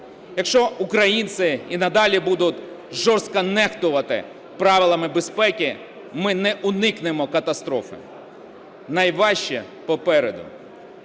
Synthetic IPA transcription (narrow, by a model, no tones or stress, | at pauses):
jɐkʃt͡ʃɔʊkɾɐjint̪sɪinɐd̪ɑlʲibud̪ʊt̪ʲ | ʒɔrst̪kɐnɛxt̪ʊʋɐt̪ɪ̰ | pɾɑʋʲɪlˠɐmɪbespɛkʲi | mɪnɛʔʊnɪknɪmɔkɐt̪ɐst̪ɾɔfɪ̰ | nɐjʋɑʃt͡ʃi | pɔpɛɾed̪ʊ̰